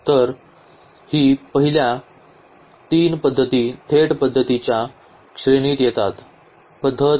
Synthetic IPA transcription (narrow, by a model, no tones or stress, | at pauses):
t̪əɾ | hiːpəɦilja | t̪iːnpəd̪ʱːət̪iːt̪ʰeʈpəd̪ʱːət̪it͡ɕja | kʂɾeɽ̃iːt̪jɛt̪at̪ | pəd̪ʱːə